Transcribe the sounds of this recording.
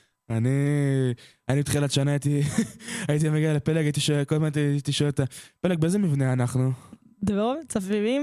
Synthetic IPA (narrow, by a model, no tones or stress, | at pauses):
ani | animit̪χilalaʃanaːit̪i | ajit̪̬iameɡialepelekait̪̬iʃokolmant̪iit̪iʃoelet̪ape̞lek̚beezemivneanaχnu | d̪evaovt͡safivim